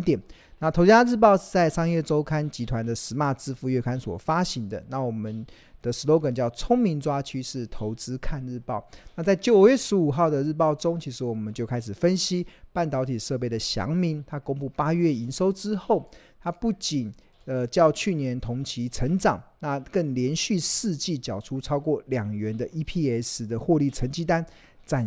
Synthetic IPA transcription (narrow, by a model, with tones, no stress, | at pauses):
t̪jɛ˨˩n | na˥˩t̪ʰo˨˧ʊt͡s̩ː˥kʰa˥˧nɻ̩˥˧˩p̬ɑ˥˧ʊʂ̩˥˧t͡sa˥˩ɪʂɑ˥ŋjɛ˥˩ʈ͡ʂo˥ʊkʰa˦˥nt͡ɕi˧˥t̪ʰwa˧˦nd̪ə˨ʂɻ̩˧˥ma˥˧t͡sɹ̩˥˧fu˥˧ɥɛ˥˩kʰa˥nswɔ̰˨˩fa˥ɕi˧˥˦ŋd̪ə˧na˥˩wɔ˨˩mə˨˦n | d̪̥ə˨ʂɻ̩˧˥lo˧˥ʊkə˨˩nt͡ɕjɑ˥˩ʊt͡sʰʊ˥ŋmi˧˥nt͡swa˥t͡ɕʰy˥ʂɻ̩˥˩t̪ʰo˧˥ʊt͡sɹ̩˥kʰa˥˧nɻɻ̩˥˧pɑ˥˨ʊna˥˧t͡sa˥˩ɪt͡ɕjo˨˩ʊ˨˩ɥɛ˥˩ʂɻ̩˧˥u˨˩xɑ˥˩ʊd̪ə˨ɻ̩˥˧p̬ɑ˥˩ʊʈ͡ʂo˥ŋt͡ɕʰi˧˥ʂɻ̩˧˥wɔ˨˩mə˨˦nt͡ɕjo˥˧ʊkʰa˥ɪʂ̩˨˩fə˦nɕi˥pa˥˩nt̪ɑ˧˥ʊt̪ʰi˨˩ʂɤ˥˧p̬e˥˩ɪd̪ə˩ɕjɑ̰˧˦ŋmi˧˥ŋt̪ʰa˥kʊ˥ŋpu˥˩pa˥ɥɛ˥˩i˧˥nʂo˥ʊʈ͡ʂɻ̩˥xo˥˩ʊt̪ʰa˥pu˥˩t͡ɕi˨˩n | ə˨˩t͡ɕjɑ˥˧ʊt͡ɕʰy˥˩njɛ˧˦nt̪ʰʊ˧˥ŋt͡ɕʰi˧˥t͡sʰə˧˥ŋʈ͡ʂɑ˨˩ŋna˥˩kə˥˩nljɛ˧˦˥nɕy˥˧ʂɹ̩˥˧t͡ɕi˥˩t͡ɕjɑ˨˩ʊʈ͡ʂʰu˦t͡sʰɑ˥ʊkwɔ˥˩ljɑ˨˩ŋɥɛ˨˦nd̪ə˧ʔi˥pʰi˥ɛ˧˥s̩˧˥d̪ə˨xwɔ˥˧li˥˩t͡sʰə˧˥˦nt͡ɕi˥t̪a˦n | t͡sa˥˧˩